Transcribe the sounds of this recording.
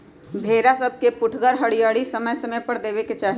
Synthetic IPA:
bʱeːɾasɐb̚kepʊʈʰɡəɾɦɐɽijaːɽisɐməjsɐməjpɐɾd̪eːʋeket͡ʃaːɦ

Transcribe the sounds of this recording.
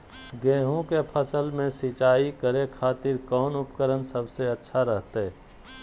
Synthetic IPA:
ɡɛːɦõkepʰəsəlmẽsit͡ʃaːikəɾekʰaːt̪ɪɾkɔːnʊpkəɾənsəbseɐtːʃʰaɾəɦt̪eɦɛ

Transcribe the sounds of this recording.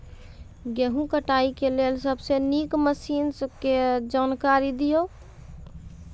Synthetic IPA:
ɡeɦũkəʈaːikeleːlsəbʱsenikməsiːnsked͡ʒaːnkaɾid̪ijo

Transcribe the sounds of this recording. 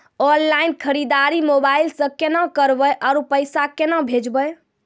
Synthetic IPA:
ɔnlainkʰəɾid̪aɾimobailsə̃kenãkəɾbəjʔaɾupəjsakenãbʱed͡ʒbəj

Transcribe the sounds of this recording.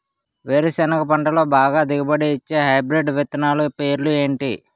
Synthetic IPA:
ʋeːɾɐsɛnɐkɐpɐɳʈɐlo̞ːbaːɡaːd̪iɡɐbɐɽiit͡ʃːe̞ːɦɐjbɾeɖʋɛt̪ɐnaːlupe̞ːɾlue̞ːɳʈi

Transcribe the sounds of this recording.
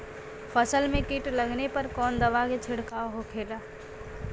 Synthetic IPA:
fʰəsəlmẽkɪʈlɐɡnepɐɾkɔːnd̪ɐʋaɡet͡ʃʰɪɽkaːoɦokʰeːlaː

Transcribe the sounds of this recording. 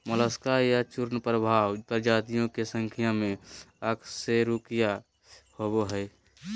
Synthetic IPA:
mələskajat͡ʃuɾnəpɾəbʱawt̪əɾd͡ʒad̪ijõkesəŋkʰijamẽəkʰseɾukija | hoboɦəj

